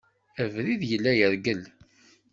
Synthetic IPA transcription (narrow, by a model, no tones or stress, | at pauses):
əvɾiðjəlːæjəɾɡəl